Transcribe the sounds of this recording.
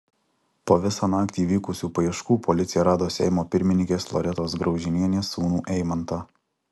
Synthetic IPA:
poːʋʲɪsɑːnɑːkt̪ʲiːʋʲiːkʊsʲuːpɐjɛʃkuːpʰɔlʲɪt̪sʲɪjɛɾɑːd̪oːsʲɛ̰ɪmoːpʲɪɾʲmʲɪnʲɪ̃ŋʲkʲeːslˠɔ̰ɾʲɛt̪oːsɡɾɒʊʒʲɪnʲiɛnʲeːsuːnuːʔɛɪmɐnt̪ɑː

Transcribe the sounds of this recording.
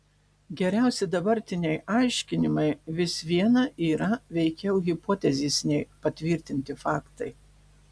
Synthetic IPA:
ɡʲɛɾʲæˑʊsʲɪd̪ɐbɐɾʲt̪ʲɪnʲɛɪɑˑɪʃʲkʲɪnʲɪmɐɪʋʲɪsʋʲiɛnɐʔiːɾɐʋʲɛɪkʲɛʊɣʲɪpoːt̪ʲɛzʲiːsnʲɛɪpɐt̪ʲʋʲɪɾʲt̪ʲɪnʲt̪ʲɪfɑːkt̪ɐɪ

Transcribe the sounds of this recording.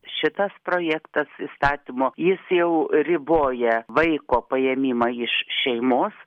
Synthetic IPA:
ʃʲɪt̪ɐspɾoːjæːkt̪ɐsist̪ɑːt̪ʲimoːjɪsjɛʊɾʲɪboːjɛʋɐɪkoːpɐjɛmʲiːmɑɪʃʃʲɛɪmoːs

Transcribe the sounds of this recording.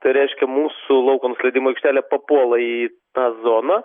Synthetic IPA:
t̪ɐɪɾʲɛɪʃʲkʲɛmuːsʊlˠɐʊkoːnʊsʲlʲɛɪd̪ʲiːmoɪkʃʲt̪ʲæːlʲɛːpɐpuɔlˠɐi | t̪ɑːzoːnɐ

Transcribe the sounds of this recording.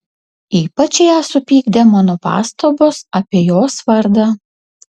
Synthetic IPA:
iːpɐt͡ʃʲjaːsʊpʲiːɡd̪ʲɛmɑːnoːpɑ̰ːst̪oːboːsɐpʲiɛjoːsʋɐɾd̪ɑ

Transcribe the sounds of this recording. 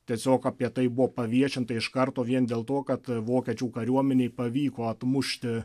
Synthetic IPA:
t̪ʲiɛsʲoːkɑːpʲiɛt̪ɐɪbʊʋoːpɐʋʲiɛʃʲɪnt̪ɐɪʃkɐɾt̪oːʋʲiɛnd̪ʲeːlˠt̪oːkɐt̪ʋoːkʲɛt͡ʃʲuːkɐɾʲuɔmʲɛnʲeːɪpɐʋʲiːkoːɐt̪mʊʃʲt̪ʲɪ

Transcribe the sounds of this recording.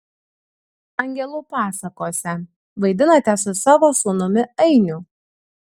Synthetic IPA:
ɐŋʲɡʲɛlˠʊpɑːsɐkoːsʲɛ | ʋɐɪd̪ʲɪnɐt̪ʲɛsʊsɑːʋosʊnʊmʲɪɐɪnʲʊ

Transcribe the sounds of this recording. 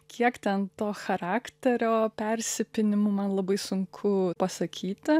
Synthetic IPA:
kʲiɛkt̪ʲɛnt̪oːxɐɾɑːkt̪ʲɛɾʲoːpʲɛɾʲsʲɪpʲɪnʲɪmʊmɐnlˠɐbɐɪsʊŋkʰʊpɐsɐkʲiːt̪ʲɪ

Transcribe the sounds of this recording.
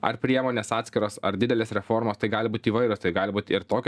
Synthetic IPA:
ɐ̰ɾpʲɾʲiɛmoːnʲeːsɑːt̪sʲkʲɪɾoːsɐ̰ɾd̪ʲɪd̪ʲɛlʲeːsɾʲɛfoɾmoːst̪ɐɪɡɑːlʲɪbuːt̪ʲiːʋɐɪɾʲʊːst̪ɐɪɡɑːlʲɪbuːt̪ʲɪɾt̪oːkʲ

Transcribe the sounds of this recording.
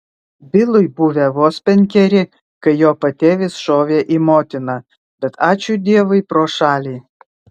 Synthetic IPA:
bʲɪlˠʊjbuʋʲɛʋoːsʲpʲɛnʲkʲɛɾʲɪ | kɐɪjoːpɐt̪ʲeːʋʲɪsʃoːʋʲeːʔimoːt̪ʲɪnɐ | b̥ʲɛt̪ɑːt͡ʃʲud̪ʲiɛʋɐɪpɾoːʃɑːlʲiː

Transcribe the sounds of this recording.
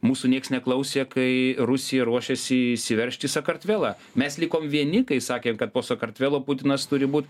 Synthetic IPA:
muːsunʲiɛksnʲɛklˠɐʊsʲekɐɪɾʊsʲɪjɛɾuɔʃʲɛsʲɪsʲɪʋʲɛɾʲʃʲt̪ʲɪsɐkɐrʲt̪ʲʋʲæːlˠɑː | mʲɛslʲɪkoːmʋʲiɛnʲɪkɐɪsɑːkʲeːmkɐt̪̚poːsɐkɐrt̪ʲʋʲæːlˠoːpʊt̪ʲɪnɐst̪ʊɾʲɪbuːt̪

